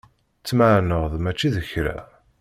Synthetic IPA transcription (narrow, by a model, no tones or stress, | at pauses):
t͡sːmaʕnəʁðmæt͡ʃːiðəçɾæ̰